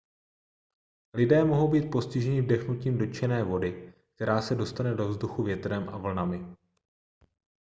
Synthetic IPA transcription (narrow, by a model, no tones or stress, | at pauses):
lɪdɛːmo̞ɦowbiːt̪̚po̞scɪʒɛɲɪvdɛxnuciːmdo̞t͡ʃɛnɛːvo̞dɪk̚t̪ɛɾaːsɛdo̞st̪anɛdo̞vzduxuvjɛt̪ɾɛmʔa̰vl̩namɪ